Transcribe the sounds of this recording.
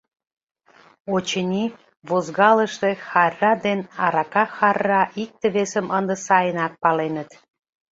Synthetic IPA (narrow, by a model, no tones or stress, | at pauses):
ot͡ɕənʲi | βozɣɑləʃt̪exɑrːɑd̪enɑɾɑkɑxɑrːɑʔik̚t̪ə̆βesəmənd̪əsɑjənɑk̚pɑlenət̪